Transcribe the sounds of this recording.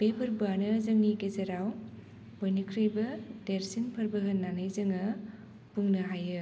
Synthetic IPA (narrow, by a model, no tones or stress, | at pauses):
b̥epʰɯɾbanɯzɐŋniɡezɐɾaw | bojnikʰɾɯjbɐdeɾsinpʰɐɾbɯɦɯnːanɯjzɐŋɯ | buŋnɯɦajɯ